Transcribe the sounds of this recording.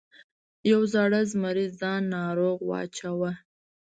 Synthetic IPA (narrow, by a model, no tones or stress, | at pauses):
jawzɑɽəzmaɾizd̪ɑnːɑɾoɣwɑ̰t͡ʃawa